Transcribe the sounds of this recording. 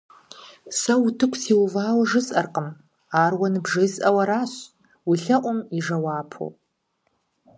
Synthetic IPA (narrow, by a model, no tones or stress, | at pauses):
sɐwutʰɨkʷʰʼsiːwvaːwʐɨsʼʔɐrqəm | aːrwɐnɨbʐɨsʼɐwɐɾaːɕ | wiɬɐʔʷʊmiʐɐwaːpʰo̰